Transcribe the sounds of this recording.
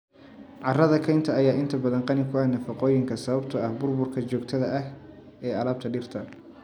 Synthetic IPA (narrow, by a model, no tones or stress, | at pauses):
ʕɑrɐðɐkʰɐjnt̪ʰɐːjaːɪnt̪ʰɐbɐðɐŋqɑnɪkʰʊɐnɐfɑqɔːjɪŋkʰɐsɐβɐbt̪ʰɐɐhbʊrbʊrkʰɐt͡ʃɔːɡt̪ʰɐðɐʔɐh | ɛːɐlaːb̚t̪ʰɐɖɪrt̪ʰɐ